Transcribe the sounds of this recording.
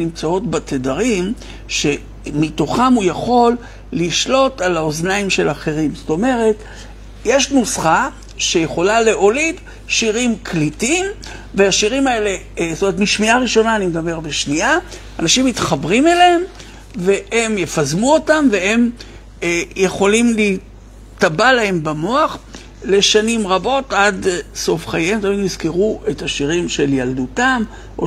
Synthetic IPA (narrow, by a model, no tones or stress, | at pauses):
imt͡sao̞tbatedaʁim | ʃe̞ | mito̞χamujaχo̞lː | iʃlo̞talaoznaimʃe̞laχe̞ʁimzoto̞me̞ʁe̞t | jeʃnusχa | ʃejeχo̞lale̞ʔo̞lid | ʃiʁimkʰlitiimveaʃiʁimae̞le̞ | zotomeetmiʃmiaʁiʃo̞naːnimed̪abe̞ʁbeʃnia | anaʃimitχabʁimeleem | ve̞he̞mjefazmuo̞tamve̞e̞m | jeχo̞limli | tabalaembamo̞aχ | le̞ʃanimʁabo̞tadso̞fχajemtamidmizkeʁuʔethaʃiʁimʃe̞ljaldutam | ʔo